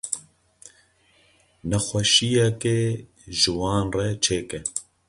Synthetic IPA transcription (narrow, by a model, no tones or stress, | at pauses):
nɛxwɛʃijɛke | ʒɨwɑːnrɛt͡ʃʰeːkɛ